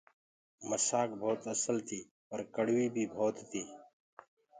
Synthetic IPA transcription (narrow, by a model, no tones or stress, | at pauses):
məsaːkbʱoːt̪əsəlt̪ʰiː | pəɾkəɽʋiːbʱiːbʱoːt̪t̪ʰiː